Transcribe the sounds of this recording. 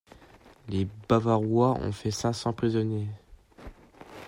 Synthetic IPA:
lebavaʁwaɔ̰̃fɛsɛ̃sɑ̃pχizɔnje

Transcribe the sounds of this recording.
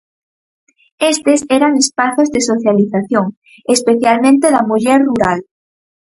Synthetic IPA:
est̪esɛɾaŋespaθozðesoθjaliθaθjoŋ | espeθjalmẽnt̪eðamuʎɛɾruɾal

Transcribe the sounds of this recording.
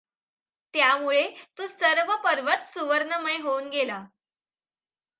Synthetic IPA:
t̪jamuɭet̪ũːsəɾʋəpəɾʋət̪suʋəɾnəməeɦounɡela

